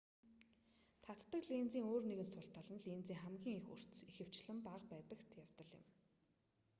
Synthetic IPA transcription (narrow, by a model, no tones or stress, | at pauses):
t̪ʰat̪ːə̆kɮiːnt͡siːŋoːrneɣɘ̆nsʊɬt̪ʰaɮə̆nɮiːnt͡siːŋχæmɡʲiːŋixṵr̥t͡st͡sixɘ̆w̥t͡ɕɮɘ̆mpaqpæːt̪ə̆kt̪ʰjawt̪ə̆ɮɪ̰̆m